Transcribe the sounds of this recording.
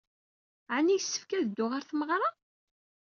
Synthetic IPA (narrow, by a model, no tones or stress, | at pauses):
ʕanːijəsːə̥fkæðəd̪ːʊʁaɾθəməʁɾˤɑ